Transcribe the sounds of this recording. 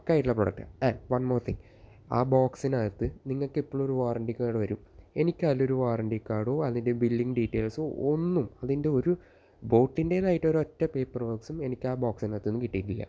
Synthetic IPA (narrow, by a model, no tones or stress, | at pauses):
kːaːjiʈːuɭːɐproɽɐk̚ʈɐ̰anʋɐɳmo̞ːrt̪ʰiŋ | a̰ːbaːksinaːjt̪ːɨniŋːɐɭkipːoːɭoɾuʋaːrɐɳɖikːaːɽɨʋɐɾume̞nikʲːaːlo̞ɾuʋaːrɐɳɖikːaːɽoːɐðindebilːiŋɡɖitːeːlsoonːumɐðinde̞o̞ɾu | bo̞ːʈːindenaːjiʈːo̞ɾuotːɐpeːpːɐrboːksume̞nikʲːaːbaːksinaːjt̪ːenːɨkiʈːijiʈːilːɐ̰